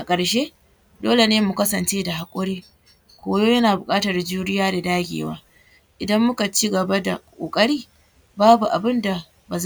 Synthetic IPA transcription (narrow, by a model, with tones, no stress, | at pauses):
ʔa˨kʼɐ˨ɽʃeː˦ | doː˦le˨neː˦mu˨kɐ˦sɐ˨nt͡ʃeː˦da˨ɦa˨kʷʼʊ˦ɽiː˦ | kʷoː˦joː˦jɐ˦naː˨bʊ˨kʼaː˦tɐ˨rd͡ʒuː˦ɽɪ˦jaː˦da˨daː˦ɡʲḛː˨wa̰ː˦ | ʔɪ˨dɐ˦mːʊ˦ka˨t͡ʃi˦ɡɐ˨ba˦da̰˨kʼo̰ː˨kʼɐ˦ɽiː˦ | baː˦bu˨ʔa̰˨bɪ˦nda˨ | ba˨z